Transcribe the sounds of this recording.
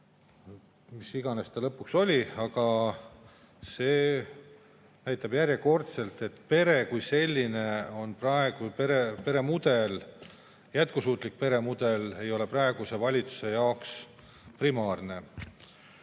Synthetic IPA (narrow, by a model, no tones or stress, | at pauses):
misiɡ̥ɑne̞st̪ɑlɤpːukso̞lʲiɑɡ̥ɑ | se̞ː | næjt̪ːˑɑbjæɾjeko̞rt̪se̞lt̪ˑe̞t̪ːˑpe̞ɾe̞kujse̞lʲːine̞o̞nprɑe̞ɡ̥upeɾepe̞ɾe̞mud̪̥e̞l | jæt̪̚kusuːt̪ˑlik̚pe̞ɾe̞mud̪̥e̞le̞jo̞le̞prɑe̞ɡ̥use̞vɑlʲit̪su̥se̞jɑoks | primɑːrne̞